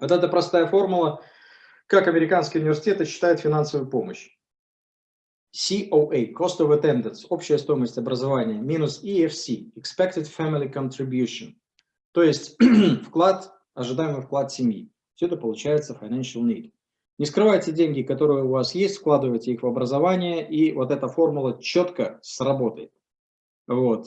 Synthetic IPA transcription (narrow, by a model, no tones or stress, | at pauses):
vot̪ɛt̪əpɾɐst̪ajəfo̞rmʊlˠə | kakɐmʲɪɾʲɪkanskʲɪəʊnʲɪvʲɪrsʲɪ̥tʲet̪ɨɕːɪ̥t̪ajʊt̪fʲɪnansəvʊjʊpo̞mə̰ɕ | sʲiʔoʔejko̞st̪ovət̪ɛnd̪ʲənso̞pɕɪjəst̪o̞jɪməsʲtʲɐbɾəzɐvanʲɪjəmʲinʊsiɛfsʲiɪkspʲek̚t̪ʲɪt̪fæmʲɪlʲɪkənt̪ɾʲɪbjuʂən | t̪o̞jɪsʲtʲfklˠat̪ | ɐʐɨd̪ajɪmɨjfklˠat̪sʲɪmʲjḭ | fsʲʊɛt̪əpəlˠʊt͡ɕæjɪt̪səfɐjnanʂəlˠnʲḭt̪ | nʲɪskɾɨvajtʲɪdʲenʲɡʲɪkɐt̪o̞ɾɨjəʊvasjesʲtʲfklˠad̪ɨvəjtʲɪixvɐbɾəzɐvanʲɪjəʔivo̞t̪ɛt̪əfo̞rmʊlˠət͡ɕot̪kəsrɐbo̞t̪əjɪt̪̚ | vo̞t̪